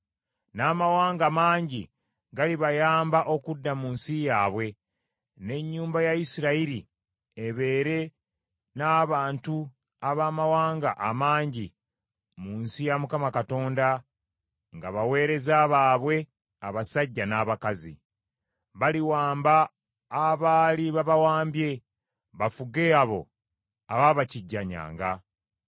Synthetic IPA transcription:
naːmawaːŋɡamaːɲɟi | ɡaliβajaːmbaʔo̞kudːamuːnsijaːβwe̞ | ne̞ɲːuːmbajajisiɾaiɾi | eβe̞ːɾe̞ | naːβaːntu | aβamawaːŋɡaʔamaːɲɟi | muːnsijamukamakato̞ːnda | ŋɡaβawe̞ːɾe̞zaːβaːβwe̞ | aβasaɟːanaːβakazḭ | βaliwaːmbaː | βaːliβaβawaːmbje̞ | βafuɡe̞aβo̞̰ | aβaβaciɟːaɲa̰ːŋɡa

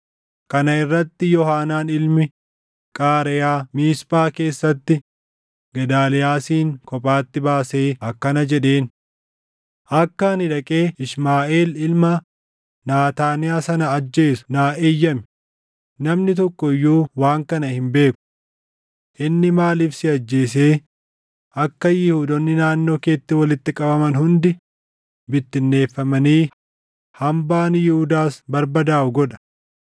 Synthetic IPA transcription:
kɐnɐɪrːɐt̪ːɪjɔhaːnaːnɪlmɪ | kʼaːɾɛjaːmiːspʼaːke̞ːsːɐt̪ːɪ | ɡɐd̪aːlɛjaːsiːŋkɔpʼaːt̪ːɪbaːse̞ːɐkːɐnɐd͡ʒɛᶑeːn | ʔɐkːɐɐnɪᶑɐkʼe̞ːɪʃmaːʔeːlɪlmɐ | naːt̪aːnɪaːsɐnɐːd͡ʒːe̞ːsʊ̥naːʔeːjːɐmɪ̥ | nɐmnɪt̪̬ɔkːɔɪjːuːwaːŋkɐnɐhɪmbe̞ːkʊ̥ | ʔɪnːɪmaːliːfsɪɐd͡ʒːe̞ːseː | ɐkːɐjɪhud̪ɔnːɪnaːnːo̞ːke̞ːt̪ːɪwɐlɪt̪ːɪkʼɐbɐmɐnhʊnd̪ɪ | bɪt̪ːɪnːe̞ːfːɐmɐniː | hɐmbaːnjɪhʊd̪aːsbɐɾbɐd̪aːʔʊɡɔᶑɐ̥

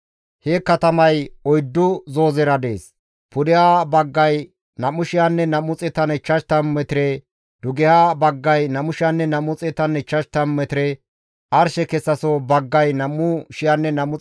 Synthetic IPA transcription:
hekːɐt̪ɐmɐjɔjd̪ːʊzo̞ːzɛɾɐd̪e̞̰ːs | pʊd̪ɛhaːbɐɡːɐj | nɐmːʊʃɪjanːɛnɐmːʊt͡sʼɛt̪ɐnɛt͡ʃːɐʃt̪ɐmmɛt̪ɪɾɛ | d̪ʊɡɛhaːbɐɡːɐjnɐmʊʃɪjanːɛnɐmːʊt͡sʼɛt̪ɐnɛt͡ʃːɐʃt̪ɐmmɛt̪ɪɾɛ | ɐɾʃɛkɛsːɐsɔbɐɡːɐjnɐmːʊʃɪjanːɛnɐmːʊ

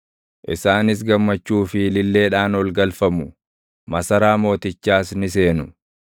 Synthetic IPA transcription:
ʔɪ̰saːnɪs̬ɡɐmːɐt͡ʃːuːfɪlɪlːe̞ːᶑaːnwɔlɡɐlfɐmʊ | mɐsɐɾaːmo̞ːt̪ɪt͡ʃːaːsnɪse̞ːnʊ

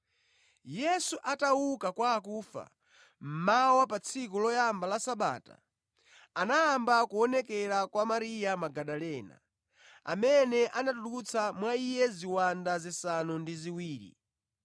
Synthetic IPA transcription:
jɛsuʔatawukakwaːk̬uːfa̰ | m̩mawɔp̬at͡sʰikulɔjambalasaɓa̰ːta̰ | anaːmbakuɔnɛkɛɾakwamaɾijamaɡaɗalɛːna̰ | a̰mɛnɛʔanatuɗuut͡sʰamwaijɛziwandazisanundiziwiːɾḭ

